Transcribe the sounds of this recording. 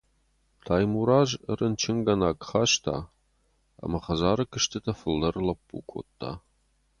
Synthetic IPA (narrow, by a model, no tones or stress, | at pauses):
t̪ʰaːjmuɾaːʒə̰rʔənt͡ʃʰɪŋɡɐnaːkχaːʃt̪ʰa̰ː | a̰mɐχɐzaːɾɨkʰɨʃt̪ʰɨt̪ʰɐfɨldɐrlɐpːṵːkʷʰo̰ːt̪ʰːa̰ː